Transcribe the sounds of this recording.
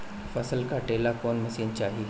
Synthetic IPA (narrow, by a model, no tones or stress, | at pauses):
fɐsəlkaʈeːlakɔːnmɐsiːnt͡ʃaːɦi